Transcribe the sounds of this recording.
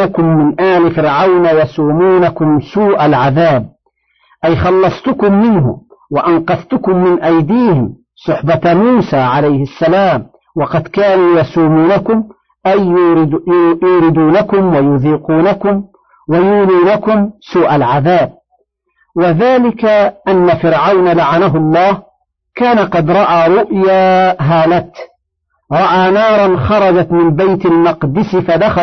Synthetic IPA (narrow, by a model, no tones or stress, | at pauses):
akʊmːɪnʔaːlɪfɪɾʕawnajɑsˤuːmuːnakʊmsuːʔalʕaðaːb̚ | ʔajxɑlːɑsˤt̪ʊkʊmːɪnɦʊ̰waʔanqɑθt̪ʊkʊmːɪnʔajd̪iːhɪm | sˤʊħbatmuːsaːʕalajhɪsːalaːm | wɑqɑd̪kaːnuːjɑsˤuːmuːnakʊm | ʔaj | juːɾɪd̪uːnakʊmwajʊðiːquːnakʊm | wajuːnuːnakʊmsuːʔalʕaðaːb̚ | waðaːlɪkaʔanːafɪɾʕawnalaʕanaɦʊlˤːɑːh | kaːnaqɑd̪ɾˤɑʔaːɾˤʊʔjaːɦaːlat̪ | ɾˤɑʔaːnɑːɾˤɑnxɑɾˤɑd͡ʒat̪mɪmbajt̪almɑqd̪ɪsɪfad̪axa